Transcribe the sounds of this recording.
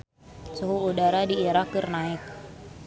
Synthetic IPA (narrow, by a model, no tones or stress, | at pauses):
suɦuudaɾadiːɾakːərnaɪk̚